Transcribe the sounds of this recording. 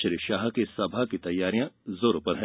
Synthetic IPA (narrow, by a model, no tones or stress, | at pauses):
t͡ʃəɾiʃaːɦkesɐbʱakit̪ɐjːaːɾijãzoːɾopɐɾɦɛ̃